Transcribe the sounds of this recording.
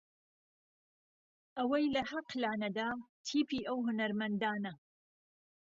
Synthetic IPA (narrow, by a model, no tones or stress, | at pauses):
ʔɐwɐjlɐhɐqlaːnɐd̪aːt̪ʰiːpiːʔɐwɦʊnɐɾmɐnd̪aːnɐ